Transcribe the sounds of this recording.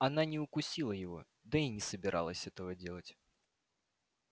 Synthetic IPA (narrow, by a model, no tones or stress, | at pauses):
ɐnanʲɪʊkʊsʲilˠəjɪvo̰ | d̪əinʲɪsəbʲɪɾʔa̰lˠəsʲɛt̪əvədʲe̞lˠətʲ